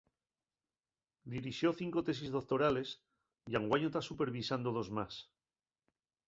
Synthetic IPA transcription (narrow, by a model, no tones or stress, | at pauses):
d̪iɾixjo̞θiŋko̞t̪e̞s̬izðo̞k̚t̪o̞ɾale̞s | jaŋɡwaɲot̪asupe̞ɾβisand̪oð̞o̞zmas